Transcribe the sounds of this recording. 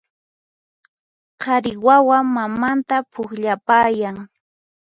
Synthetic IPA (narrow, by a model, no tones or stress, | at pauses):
qʰɑɾɪwawaŋmamant̪apʰʊχʎapaːjaŋ